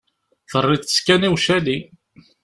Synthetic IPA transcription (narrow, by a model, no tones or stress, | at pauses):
θərˤːɪə̥skæniwʃæli